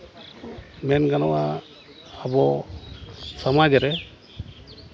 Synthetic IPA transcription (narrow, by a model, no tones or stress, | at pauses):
mɛnɡanɔwaː | bɔ | samad͡ʒɛɾɛ